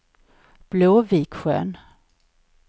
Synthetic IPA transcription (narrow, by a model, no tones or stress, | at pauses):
b̥loːviːkɧø̰ːn